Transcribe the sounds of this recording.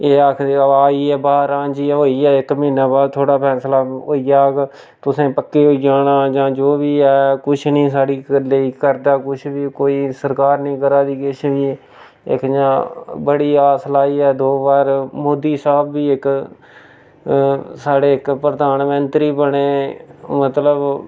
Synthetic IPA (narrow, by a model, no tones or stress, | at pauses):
eːak̪ʰeaːiːɛːbaːɾãːd͡ʒiːɛɦoːiːɛːɪkməĩːnaːbaːd̪̚t̪ʰoːɽaːpʰɛːslaːoːiːjaːk | t̪ʊsẽːpəkːeːɦoːiaːnãːd͡ʒãːd͡ʒoːʋiːɛːkʊt͡ʃʰnĩːsaːɽiːləiːkəɾd̪aːkʊt͡ʃʰʋiːkoːiːsəɾkaːɾnĩːkəɾaːd̪iːkɪt͡ʃʰʋiː | ɪ̰kd͡ʒãːbəɽiːaːslaːiːɛːd̪oːbaːɾmoːd̪iːsaːbːiːɪk | saːɽeːɪkpɾəd̪aːnmə̃nt̪ɾiːbəɽeːmət̪ləb